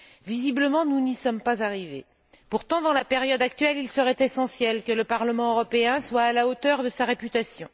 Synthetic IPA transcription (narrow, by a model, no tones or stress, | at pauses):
vizibləmɑ̃nunisɔmpazaʁivḛ | puʁt̪ɑ̃d̪ɑ̃lapeʁjɔd̪ak̚t̪ɥɛlilsəʁɛt̪esɑ̃sjɛlkələpaʁləmɑ̃øʁɔpeɛ̃swaːlaot̪œʁd̪əsaʁepyt̪asjɔ̃